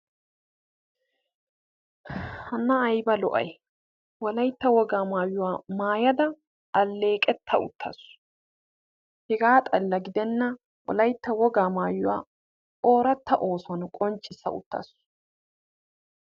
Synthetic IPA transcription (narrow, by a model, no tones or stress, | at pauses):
hɐnːɐːjbɐlɔ̰ʔɐ̰j | wɔlɐjt̪ːɐwɔɡaːmaːjʊwaːmaːjɐd̪ɐ | ʔːlːe̞ːkʼɛt̪ʰːɐʊ̰t̪ːɐ̰sʊ̥ | hɛɡaːt̪ʼɐlːɐɡɪd̪ɛnːɐ | wɔ̰lɐjt̪ːɐwɔɡaːmaːjʊwa̰ː | ʔo̞ːɾɐt̪ːɐʔo̞ːsʊɐnkʼɔnt͡ʃʼːɪsːɐ̰ʊ̰t̪ːɐ̰sʊ̥